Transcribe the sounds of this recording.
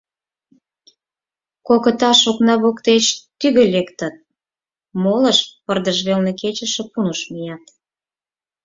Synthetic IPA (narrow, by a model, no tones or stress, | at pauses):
kokə̆t̪ɑʃoknɑβokt̪et͡ɕt̪yɣĕlekt̪ə̆t̪̚ | moləʃpərd̪əʒβelneket͡ɕə̆ʃĕpunəʃmijɑt̪